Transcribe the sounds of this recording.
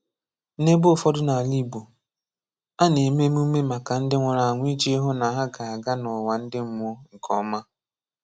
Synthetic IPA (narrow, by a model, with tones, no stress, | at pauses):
ne˦bfɔ˦dʊ˦na˨li˦bu˨ | a˦ne˨me˦mu˦me˦ma˨ka˨n̩˦dɪ˦ŋʷa˨ɾa˨a˨ŋʷ˦i˦d͡ʒɦo˦na˨ɦa˦ɡa˨a˨ɡa˦nɔ˨wa˨n̩˦dɪ˦m̩˦m˦o˦ŋ̩˨kʰɔ˦ma˦